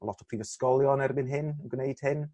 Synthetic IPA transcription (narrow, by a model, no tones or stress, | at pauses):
əlˠɔtʰɔ̥pʰriːvəskɔlˠjɔnɛrbɪnɦɪnənɡnejd̥hɪn